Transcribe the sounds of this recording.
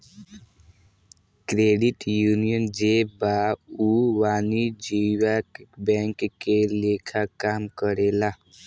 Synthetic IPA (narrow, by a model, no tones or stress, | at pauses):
kɾeːɖɪʈjuːnijənd͡ʒeːbauwaːnid͡ʒiwakbɛ̃ːŋkːeleːkʰakaːmkəɾeːlaː